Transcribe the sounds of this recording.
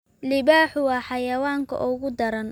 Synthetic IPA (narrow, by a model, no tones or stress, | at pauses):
lɪbaːħʊwɑːħɑjɐwaːŋkʰɐ̰ʔʊɣʊd̪ɐɾɐn